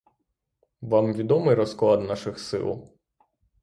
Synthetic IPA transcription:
ʋɑmʋʲid̪ɔmɪjɾɔsklˠɑd̪nɑʃɪxsɪ̰lˠ

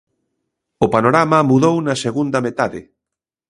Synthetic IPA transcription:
ʊpanoɾamɐmuðownɐseɣund̪ɐmet̪aðɪ

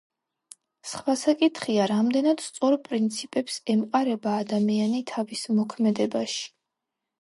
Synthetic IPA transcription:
sχwasakʼit̪ʰχiaɾamd̪ɛnad̪̥st̪sʼɔɾpʼɾint̪sʰipʼɛpsɛmqʼaɾɛbaːd̪amianit̪ʰavismɔkʰmɛd̪ɛbaʃi̥

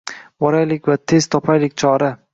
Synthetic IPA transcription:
wɒɾajlɪkʲvat̪ʰe̞z̥t̪ʰɒpʰajlɪkʲt͡ʃʰɒɾa

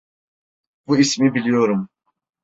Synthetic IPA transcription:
buismibilʲijo̞ɾum

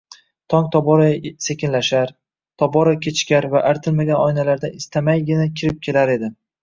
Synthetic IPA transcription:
t̪ʰɒŋt̪ʰɒbɒɾase̞kʲʰɪnlaʃaɾ | t̪ʰɒbɒɾakʲʰe̞t͡ʃkʲaɾvaʔaɾt̪ʰɪlmaɡʲanɒjnalaɾd̪aʔɪst̪ʰamajɡʲɪnakʲʰɪɾɪp̚kʲʰe̞laɾe̞d̪ɪ

